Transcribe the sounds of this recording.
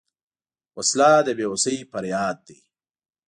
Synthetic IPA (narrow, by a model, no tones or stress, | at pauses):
ɐslaːd̪əbeːusɐifɐɾjaːd̪̚ːi